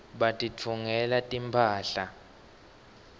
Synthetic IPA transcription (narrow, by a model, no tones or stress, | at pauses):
ɓatʼit͡fʰuŋɛlatʼimpʰaːɬa